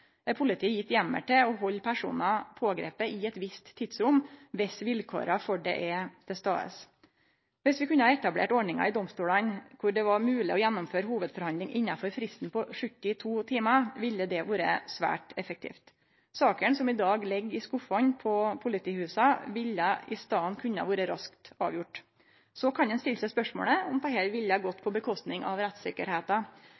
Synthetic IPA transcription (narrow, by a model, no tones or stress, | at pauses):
ɛɾpʰʊlɪt̪ʰiːjɪt̪ːjɛmːə̰ʈɛɔɦɔlːpʰæʂṵːnɑpʰoːɡɾḛːpəɪɛt̪ʋɪst̪ʰːid̪sɾʊmʋɛsʋɪlkʰo̰ːɾɑfɔɖɛ̰ʔɛt̪ʰɛst̪ɑ̰ːə̰s | ʋɪsʋɪkʉnːəhɑɛt̪ɑblḛːʈɔɳɪŋɑ̰ɪd̪ɔmst̪uːlɑnkʰʊɖɛʋɑɾmʉːlɪ̰ʔɔjɛnːɔmføːɾhuːʋəd̪fɔɾhɑnd̪lɪŋʔɪnːɑfɔɾfɾɪst̪n̩pɔʂʉt̪ːɪt̪ʰuːt̪ʰiːmɑʋɪlːəd̪ɛʋoːɾəsʋæ̰ːʈɛfək̚t̪ʰḭːft̪ | sɑːkəɳsɔmɪd̪ɑːɡlɛɡːɪskʊfɔnpʰɔpʰʊlɪt̪ʰiːhʉːsɑʋɪlːəɪst̪ɑːnkʰʉnːə̰ʋoːɾəɾɑskt̪ɑ̰ːʋjʊʈː | sɔkʰɑnɛnst̪ɪlːsɛɪspœʂmo̰ːləɔmt̪ʰɑːɦɛːlʋɪlːəɡɔt̪ːpʰɔbəkʰɔst̪nɪŋʔɑ̰ʋɾæt̪sɪkəɾheːt̪ɑ